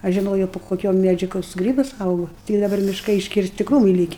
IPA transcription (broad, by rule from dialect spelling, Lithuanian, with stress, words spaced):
ˈɐʃ ʒʲɪˈnoːjoː pʊ koːˈkʲoː ˈmʲæd͡ʒʲʊ ˈkoːks ˈɡrʲiːbɐs ˈɐʊɡʊ tʲɪk dɐˈbɐr mʲɪʃˈkɐɪ ɪʃʲkʲɪrʲˈsʲtʲɪ ˈkruːmɨɪ ˈlʲiːkʲɪ